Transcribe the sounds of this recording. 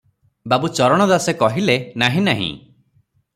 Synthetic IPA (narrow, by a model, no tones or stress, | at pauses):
babut͡ʃɔɾɔɽ̃ɔd̪asekɔɦilenaɦĩnaɦḭ̃